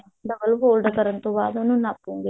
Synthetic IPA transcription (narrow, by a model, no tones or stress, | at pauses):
ɖɐbɐlɦoːlɖɐkɐɾɐnt̪uʋaːd̪ɐnunapːuŋɡi